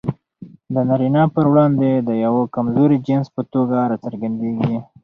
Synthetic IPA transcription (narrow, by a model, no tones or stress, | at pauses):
d̪ənaɾinɑpəɾwɽɑnd̪ed̪əjawokamzoɾid͡ʒɪnspət̪oɡaɾɑt͡səɾɡand̪eɡi